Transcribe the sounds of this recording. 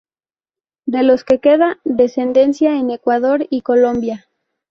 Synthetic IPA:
d̪e̞lo̞ske̞ke̞ðaðe̞se̞nd̪e̞nsjae̞ne̞kwaðo̞ɾiko̞lõ̞mbja

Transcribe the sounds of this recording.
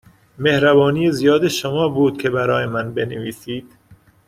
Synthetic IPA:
mehɾæbɒːniːjezijɒːd̪eʃomɒːbuːd̪̚cʲʰe̞bæɾɒːjemænbeneviːsiːd̪̥

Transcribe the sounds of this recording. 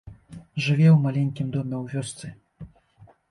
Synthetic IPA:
ʐɨvʲɛwmalʲɛnʲkʲimd̪ɔmʲɛwvʲɔst̪sɨ

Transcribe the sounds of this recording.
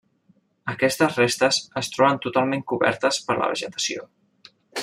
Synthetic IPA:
əkɛst̪əzrest̪əzəst̪ɾɔβənt̪ut̪alˠmẽŋkuβɛ̰ɾt̪əspəɾlə̰β̞ə̰ʒət̪ə̥sio̰

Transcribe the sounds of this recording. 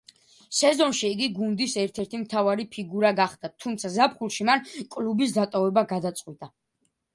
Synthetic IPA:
sɛzɔnʃiːɡiɡund̪isɛɾt̪ʰɛɾt̪ʰimt̪ʰavaɾipʰiɡuɾaɡaχd̪at̪ʰːumt̪sʰazapʰχulˠʃimankʼlubis̬d̪at̪ʼɔvɛbaɡad̪at̪sʼqʼwit̪ʼa

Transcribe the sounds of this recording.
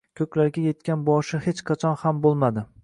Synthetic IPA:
kʲʰɵkʲlaɾɡʲaje̞t̪̚kʲʰanbɒʃɪhet͡ʃqʰɑt͡ʃʰɒnhambolˠmad̪ɪ

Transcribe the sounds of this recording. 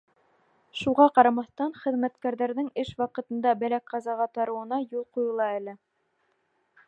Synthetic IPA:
ʃuʁɑqɑɾɑmɑθt̪ɑnχɘ̆ðmæt̪kæɾðæɾðɘŋɘʃwɑqɤ̆t̪ɤ̆nd̪ɑbælækʁɑzɑʁɑt̪ɑɾɤ̆wɤ̆nɑjulˠqujɤ̆lˠɑælɘ

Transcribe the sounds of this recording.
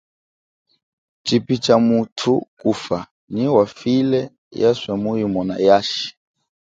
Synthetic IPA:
t͡ʃipit͡ʃamutʰukufa | niwafilɛ | jaswɛmujimɔna̰jaʃi̥

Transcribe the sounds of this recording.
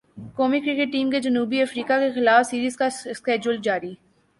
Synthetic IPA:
koːmikɾɪkeʈːiːmked͡ʒɐnuːbiɐfɾiːkakexɪlaːfsiːɾiːzkaskɛːd͡ʒʊld͡ʒaːɾiː

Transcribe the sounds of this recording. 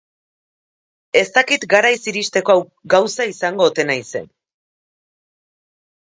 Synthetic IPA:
e̞st̪akit̪ɡaɾajsiɾist̪e̞koawɡawsaisaŋɡo̞ːt̪e̞najse̞̰n

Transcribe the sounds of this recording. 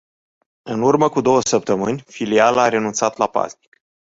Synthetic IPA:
ɨnurməkud̪o̞wəsəp̚t̪əmɨnʲfilialaːɾe̞nunt̪sat̪lapa̰zni̥k

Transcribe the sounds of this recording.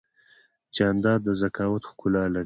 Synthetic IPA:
t͡ʃɑand̪ɑd̪̚d̪əzakɑwat̪xkulɑlaɾ

